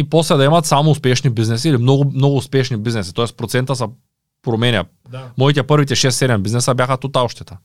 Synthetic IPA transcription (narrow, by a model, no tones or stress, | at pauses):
iposlɛd̪aimat̪samouspɛʃnibiznɛs̬iiːlimnoɡumnoɡuːspɛʃnibiznɛsi̥t̪ɔɛspɾɔt̪sɛnt̪asa | pɾɔmɛnʲa̰ | moit̪ɛpərɾvit̪ɛʃɛst̪ːɛd̪ɛmbiznɛsabjaxat̪ut̪aɔʃt̪ɛt̪a